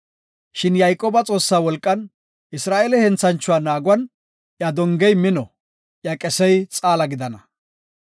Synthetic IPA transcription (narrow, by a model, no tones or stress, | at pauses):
ʃɪnjajkʼoːbɐt͡sʼo̞ːsːaːwɔlkʼːɐn | ʔɪsɾaːʔelɛhɛnt͡sɐnt͡ʃːʊwaːnaːɡʊwɐn | ʔjɐd̪ɔŋɡɛjmɪnɔ | ʔjɐkʼɛsɛjt͡sʼaːlɐɡɪd̪ɐnɐ